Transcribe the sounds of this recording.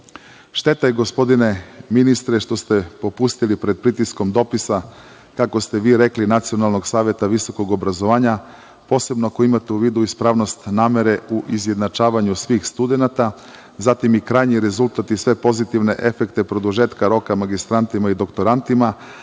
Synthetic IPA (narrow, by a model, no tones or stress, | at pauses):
ʃt̪e̞t̪ajeɡo̞spo̞d̪ine̞minist̪ɾe̞ʃt̪o̞st̪e̞po̞pust̪ilipɾed̪̚pɾit̪isko̞md̪o̞pisa | kako̞st̪eʋiːɾe̞klinat̪sio̞nalˠno̞ɡsaːʋje̞t̪aʋiso̞ko̞ɡobɾazo̞ʋaːɲa | po̞ːse̞bnoako̞imat̪euʋiːd̪uispɾaʋno̞st̪naːme̞ɾe̞uʔizje̞d̪nat͡ʃaːʋaɲusʋiːxst̪ud̪e̞nat̪a | zat̪imikɾaːjɲiɾe̞zulˠt̪at̪isʋe̞po̞zit̪iʋne̞ʔe̞fekt̪epɾo̞d̪uʒet̪kaɾo̞kamaɡist̪ɾant̪imaid̪o̞kt̪o̞ɾant̪ima